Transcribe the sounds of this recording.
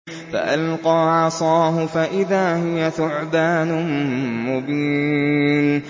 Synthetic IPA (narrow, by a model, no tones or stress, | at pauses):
fa̰ʔalqɑːʕɑsˤɑːɦʊfaʔɪðaːhɪjaθʊʕbaːnʊmʊbiːn